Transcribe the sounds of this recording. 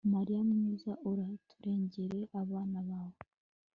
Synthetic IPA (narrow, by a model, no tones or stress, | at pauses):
maɾijamɲiːzaʔoɾatuɾeːɲɟeɾe̞ʔaβaːnaβaːβo